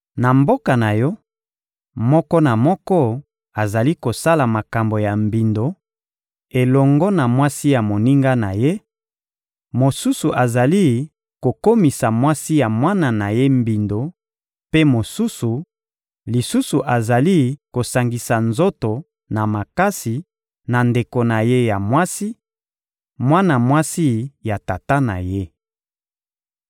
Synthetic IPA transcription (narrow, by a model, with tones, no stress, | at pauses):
na˨mbo˦ka˨na˨jɔ˦ | mɔ˦kɔ˦na˨mɔ˦kɔ˦ | a˨za˨li˦ko˨sa˦la˨ma˨ka˨mbo˨ja˨mbi˨ndo˨ | e˨lɔ˨ŋɡɔ˦na˨mwa˦si˦ja˨mo˨ni˦ŋɡa˦na̰˨je˦ | mo˨su˦su˨ʔa˨za˨li˦ | ko˨ko˦mi˨sa˨mwa˦si˦ja˨mwa˦na˨na˨je˦mbi˨ndo˨ | pe˦mo˨su˦su˨ | li˨su˦su˨ʔa˨za˨li˦ko˨sa˨ŋɡi˨sa˨nzo˦to˨ | na˨ma˨ka˦si˨ | na˨nde˨ko˨na˨je˦ja˨mwa˦si˦ | mwa˦na˨mwa˦si˦ja˨ta˨ta˦na̰˨je˦